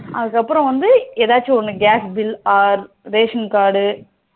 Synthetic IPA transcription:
ɐðɯkːɐpːɯɾɐ̃ʋɐnd̪ɯeːðaːt͡ʃːɯɔnːɯɡaːsbɪlaːɾ | ɾeːʂɐnkaːɽɯ

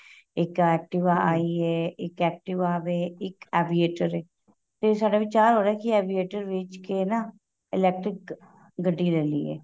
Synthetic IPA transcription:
ɪkɛːk̚ʈɪʋaːaːiːɛːɪkɛːk̚ʈɪʋaːʋeːɪkɛːʋieːʈəɾɛː | t̪eːsaːɖaːʋɪt͡ʃaːɾɦoːɾaːkɪɛːʋieːʈəɾʋɪt͡ʃkeːnaː | ɪlɛːk̚ʈɾɪk | ɡəɖːiːlɛːlḭːɛ̰ː

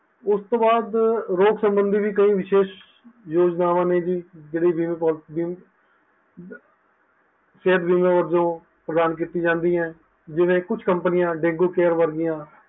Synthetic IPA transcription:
ʊst̪õːbaːd̪ɾoːksəmbənd̪iːʋiːk̬əĩːʋɪʃeːʃ | joːd͡ʒnaːʋãːneːd͡ʒiːd͡ʒeːɽiːbiːmẽːpolt̪biːm | seːd̪biːmãːʋəɾd͡ʒõː | pɾəd̪aːnk̬iːt̪iːd͡ʒãːnd̪iːɛ̃ː | d͡ʒɪʋẽːkʊt͡ʃʰkəmpənɪjãːɖeːɡoːkɛːɾʋəɾɡɪjãː

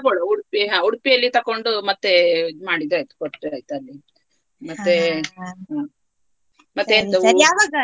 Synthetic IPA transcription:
ɐkoɽɐuɽpiɦãːuɽpijɐlːit̪ɐkːoɳɖumɐt̪ːemaːɽid̪ɾajt̪u̥koʈɾajt̪uɐlːi | mɐt̪ːeɦãː | mɐt̪ːend̪usɐjaːʋaːɡɐ

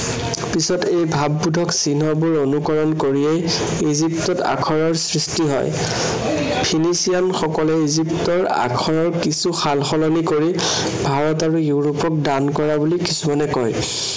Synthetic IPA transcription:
pisɔtejbʱabːudʱɔksinɔbʊɹonukɔɹɔnkoɹiej | iziptɔta̰kʰɔɹɔɹsɹistiɦɔ̰j | pʰinisijanxɔkɔlɛiziptɔɹa̰kʰɔɹɔɹkisuxalxɔlɔnikoɹi | bʱaɹɔtaɹujuɹopɔk̚dankɔɹabulikisumanɛkɔj

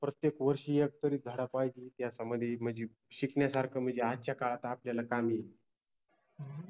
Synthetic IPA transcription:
pɾət̪jekʋəɾɕijək̚t̪əɾiːd͡z̪ʱəɽapajd͡ʑit̪jasaməd̪ʱjem̤əd͡ʑe | ɕiknjasaɾkʰəm̤əd͡ʑeatːɕʰjakaɭat̪aːpljalakamije

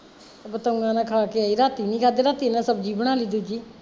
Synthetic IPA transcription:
bət̪oŋɡãːnãːkʰaːkeaːiːɾaːt̪iːnĩːkʰaːd̪eːɾaːt̪iːnãːsəbd͡ʒiːbəɽ̃aːliːd̪uːd͡ʒiː

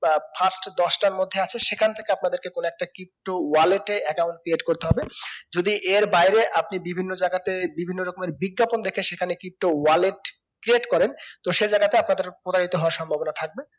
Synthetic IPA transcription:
pʰasʈd̪ɔʃʈaɾmod̪ʱːeat͡ɕʰeʃekʰant̪ʰe̥keap̚nad̪eɾkekonoɛk̚ʈakɾip̚ʈowaleʈeɛkawnɳʈ̚kɾieʈkoɾt̪eɦɔbed͡ʑod̪iʔeɾbajɾeʔapnibibʱinːod͡ʑaɡat̪ebibʱinːoɾɔkomeɾbiɡːapond̪ekʰeʃekʰanekɾip̚ʈowaleʈ | kɾieʈkɔɾent̪oʃed͡ʑajɡat̪eapnad̪eɾpɾot̪aɾit̪oɦɔwaɾʃɔmbʱabonat̪ʰak̚be

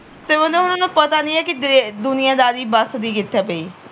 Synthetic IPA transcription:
t̪eːʋə̃d̪eʊnãːnũːpət̪aːnĩːɛːkɪd̪ʊnɪjãːd̪aːd̪iːbasd̪iːɡɪt̪ʰːaːpeiː

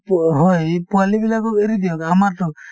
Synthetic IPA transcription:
ɦɔjpualibilakɔkeɾidiɔkamatɔ

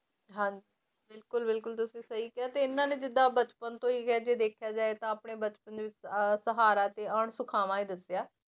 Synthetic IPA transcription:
ɦãːɲd͡ʒi | bɪlkʊlbɪlkʊlt̪ʊsĩːsəɦiːkɪaːt̪eːɪnːãːneːd͡ʒɪd̪aːbət͡ʃpənt̪õːiːkɛd͡ʒeːd̪eːkʰjaːd͡ʒaːeːt̪ãːəːpɽeːbət͡ʃpənd̪eːʋɪt͡ʃsəɦaːɾaːt̪eːəːɳsʊkʰaːmãːiːd̪əsɪjaː

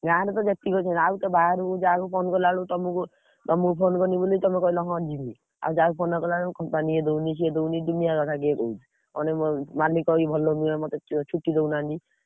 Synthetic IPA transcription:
ɡaɾɔt̪ɔd͡ʒet̪ikɔt͡ʃʰɔaut̪ɔbʱaɾukud͡ʒakupʰonkɔlaɭut̪ɔmuku | t̪ɔmukupʰonkɔnibolujt̪ɔmekɔilɔɦɔ̃d͡ʒimi | a̰wd͡ʒakupʰonɔkɔlaɭɔkɔmpanied̪ownis̬ied̪ownid̪unijakɔt̪ʰaɡekout͡ʃʰi̥ | ɔ̰neɔmalikɔibʱɔlːɔnuemɔt̪et͡ʃʰuʈːid̪ewnand̪i

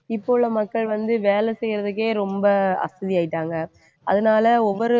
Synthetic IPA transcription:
ɪpːoːɭːɐmɐkːɐɭʋɐnd̪ɯʋeːlɛsɛjɪɾɐðɯk̬ːeːɾɔmbɐɐ̰sɐðiaːjɪʈːaːŋɡɐ | ɐ̰ðɐnaːlɐɔʋːɔɾɯ

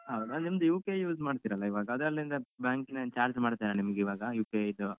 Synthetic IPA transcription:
ɦɐwd̪annimɐd̪ujuːkejuːsmaːɖt̪iɾɐlːɐiʋaːɡɐɐd̪ɾɐlːɾind̪ɐbjaːŋkinːɐt͡ʃaːɾd͡ʒmaːɖt̪iɾɐnimɐɡiʋaːɡɐjuːkeid̪u

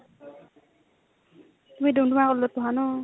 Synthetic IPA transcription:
tumidumdumakɔlːɔt̪ɔɦanɔ

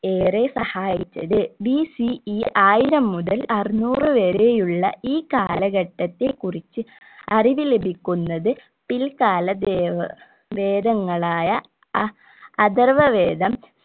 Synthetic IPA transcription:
eːresɐhaːjit͡ɕːɐ̰ðɨbisiiʔaːjiɾɐmːuðɐlɐrinuːrɨʋeːɾejuɭːɐ̰iːkaːlɐɣɐʈːɐt̪ːekːurit͡ɕːɨ | ɐriʋilebʱikʲːunːɐðɨ | pilkaːlɐd̪eːʋɐ | ʋeːd̪ɐŋːɐɭaːjɐ | ɐd̪ɐrʋɐʋeːd̪ɐm

